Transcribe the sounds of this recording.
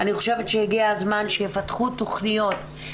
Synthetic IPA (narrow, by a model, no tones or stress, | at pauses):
aniχo̞̥ʃevetʃehiɡiazmanʃejefatχutːoχnijo̞t